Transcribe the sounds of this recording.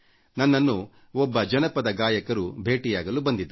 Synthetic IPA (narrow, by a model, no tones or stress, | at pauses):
nɐnːɐnːu | ɔbːɐd͡ʒɐnɐpɐd̪ɐɡaːjɐkɐɾubʱe̞ːʈijaːɡɐlubɐnd̪id̪u